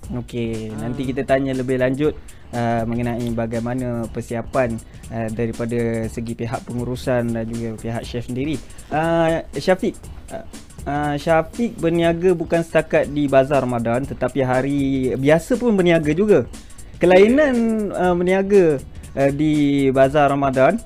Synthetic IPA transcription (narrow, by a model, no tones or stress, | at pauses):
okenãnt̪ikit̪at̪aɲələbɪhlaɲd͡ʒʊt̪̚ | əmə̃ŋənãibaɡajmanapərsiapan | ədaɾipadasəɡipeɦaʔ̚pəŋuɾusandand͡ʒuɡapiɦa̰ʔ̚ʃɛfsəndiɾi | ʔəʃafɪk̚ | əʃafɪk̚bərniaɡabukansə̥t̪akat̪̚dibazaramadant̪ət̪apiɦaɾibiasəpʊnbərniaɡad͡ʒuɡa | kəlainanəbəniaɡaədibazaramadan